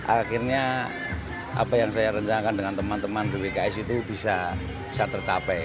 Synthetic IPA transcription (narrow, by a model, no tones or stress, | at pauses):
ʔaxirɲa | ʔa̰pajaŋsajaɾəɲt͡ʃanakandəŋant̪əmant̪əmanbewekaɛsit̪ubisa | bi̥sat̪ərt͡ʃapɛ